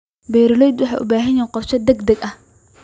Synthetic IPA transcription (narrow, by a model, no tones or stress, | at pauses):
bɛjɾɪlɛjd̪wɑħɑ̰ːʔʊ̰baːɦɐnjɛːqɔrʃɐd̪ɛɡd̪ɐɡɐh